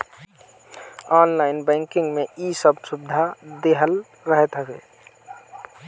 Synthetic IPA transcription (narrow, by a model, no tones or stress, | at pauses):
ɔːnlaːɪnbɛ̃ːŋkɪ̃ŋɡmeisəbsʊbd̪ʱad̪eɦəl | ɾəɦet̪əkḛː